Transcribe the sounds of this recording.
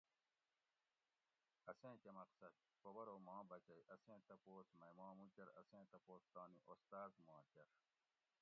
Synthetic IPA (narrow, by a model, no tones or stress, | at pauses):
ɐsẽːkemɐqsɐd̪̚ | pobɐɾoːmãːbɐt͡ɕɐjʔɐsẽːt̪ɐpoːsmɐjmãːmũkɐɾɐsẽːt̪ɐpoːst̪aːniʔost̪aːzmãːt͡ɕɐɾ